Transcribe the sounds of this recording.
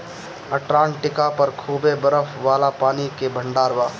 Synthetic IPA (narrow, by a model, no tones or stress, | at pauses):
ɐʈɾãːɳʈɪkapɐɾkʰuːbebəɾəfʰʋaːlapaːnikebʱə̃ɳɖaːɾʋaː